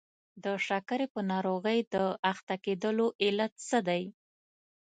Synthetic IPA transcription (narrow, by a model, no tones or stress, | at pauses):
d̪əʂakaɾepənɑɾoɣəjd̪əaxt̪aked̪əloʔɪlat̪səd̪aj